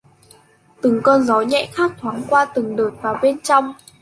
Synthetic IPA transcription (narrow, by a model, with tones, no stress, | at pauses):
t̪ɨ˨˩ŋkɔ˧nzɔ˨˦ɲɛ̰˧˨xaː˦˥k̚t̪ʰwaː˨˦ŋkwaː˧t̪ɨ˨˩ŋɗo˨˩t̚vaː˨˩wɓe˧nt͡ɕɔ˧wŋ͡m